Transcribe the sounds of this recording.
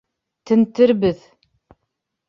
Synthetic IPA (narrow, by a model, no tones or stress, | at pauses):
t̪ɘ̆nt̪ɘɾbɘð